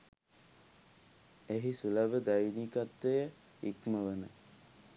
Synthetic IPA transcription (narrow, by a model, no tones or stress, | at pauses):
eɦisulabəd̪ajnikat̪ʋejə | ikməʋənə